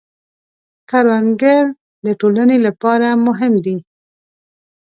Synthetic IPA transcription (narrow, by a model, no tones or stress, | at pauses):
kaɾwaŋɡaɾ | d̪əʈolanelapɑɾamʊɦɪmd̪i